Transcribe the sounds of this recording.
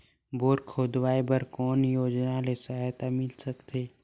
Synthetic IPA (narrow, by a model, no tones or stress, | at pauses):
boːɾkʰoːd̪waːebəɾkɔːnjoːd͡ʒnalesaɦjt̪amɪlsəkt̪ʰeː